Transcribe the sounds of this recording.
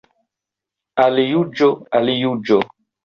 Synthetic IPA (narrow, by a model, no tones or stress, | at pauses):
alijud͡ʒoalijud͡ʒo